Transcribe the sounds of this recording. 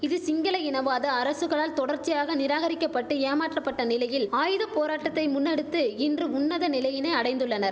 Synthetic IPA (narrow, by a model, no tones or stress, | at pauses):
ɪðɯsɪŋɡɐlɐjɪnɐʋaːðɐːɾɐsɯɣɐɭaːlt̪ɔɽɐɾt͡ʃːɪjaːɣɐnɪɾaːɣɐɾɪkːɐpːɐʈːɯeːmaːʈrɐpːɐʈːɐnɪlɐjɪlaːjɯðɐpoːɾaːʈːɐt̪ːɐɪmʊnːɛɽɯt̪ːɯɪndrɯʊnːɐðɐnɪlɐjɪnɐɪɐɽɐɪnd̪ɯɭːɐnɐɾ